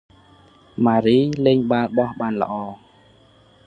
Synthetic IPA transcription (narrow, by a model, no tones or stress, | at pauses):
maːɾiːleːŋɓaːlɓɑhɓaːnlə̰̆ʔɑː